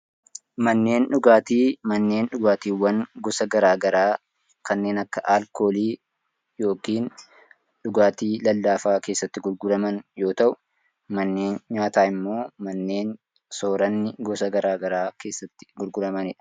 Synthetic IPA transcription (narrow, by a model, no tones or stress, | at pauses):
mɐnːe̞ːnᶑʊɡaːt̪iːmɐnːe̞ːnᶑʊɡaːt̪iːwɐŋɡɔsɐɡɐɾaːɡɐɾaː | kɐnːe̞ːnɐkːɐʔaːlko̞ːliː | jo̞ːkiːn | ᶑʊɡaːt̪iːlɐlːaːfaːke̞ːsːɐt̪ːɪɡʊlɡʊɾɐmɐnjo̞ːt̪ɐʔʊ | mɐnːe̞ːnɲaːt̪aːɪmːo̞ːmɐnːe̞ːn | so̞ːɾɐnːɪɡɔsɐɡɐɾaːɡɐɾaːke̞ːsːɐt̪ːɪ̥ɡʊlɡʊɾɐmɐnɪᶑɐ̥